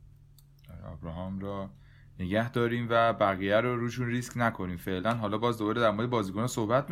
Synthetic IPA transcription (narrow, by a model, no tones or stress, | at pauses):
ɒɒ̰ːbɾɒːɦɒmɾɒː | neɟæhd̪ɒːɾiːmvæbæɣiːjæɾoɾuːʃunriːsknækʰo̞niːmfeʔlænɦɒːlɒːbɒːzd̪obɒːled̪æɾmoːd̪ebɒːziːkʰo̞nɒːsohbæt̪̚ʰm